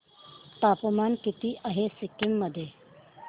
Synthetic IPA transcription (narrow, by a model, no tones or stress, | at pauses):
t̪aːpɐmaːnkit̪iʔɐɦesɪkːimːɐd̪e